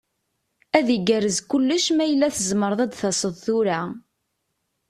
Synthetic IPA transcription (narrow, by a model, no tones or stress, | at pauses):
æðiɡærəzkʊlːəʃmæjəlːæθəzməɾˤðˤæd̪θɑsˤəðˤθʊɾa